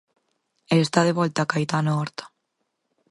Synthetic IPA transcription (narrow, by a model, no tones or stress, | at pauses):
eːst̪aðeβɔlt̪aːkajt̪anaɔɾt̪ḁ